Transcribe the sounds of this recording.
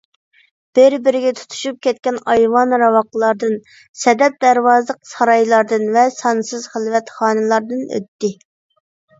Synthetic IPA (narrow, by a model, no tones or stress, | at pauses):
b̥ɪɾbɪɾɪɡʲɛt̪ʰu̥t̪ʰu̥ʃup̚kʲɛt̪̚kʲɛnɑjwɑnɾɑwɑqlˠɑɾd̪ɨn | sɛd̪ɛp̚d̪æɾwɑːzlˠəq̚sɑɾɑjlˠɑɾd̪ɨnvɛsɑnsɨzχəlvɛt̪χɑːnɨlˠɑɾd̪ɨnø̰t̪ːɪ